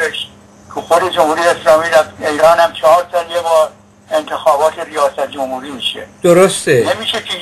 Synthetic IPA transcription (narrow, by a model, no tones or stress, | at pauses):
eʃ | kʰoxod̪ed͡ʒomhuːɾijeeslɒːmiːɾæfejɾɑːnhæmt͡ʃʰɑɒːɾsɒːljebɒːɾ | ent̪ʰe̞xɒːbɒːt̪ʰerijɒːsæt̪̚ʰd͡ʒomhuːɾiːmiːʃed̪̥oɾost̪enemiːʃepʰiː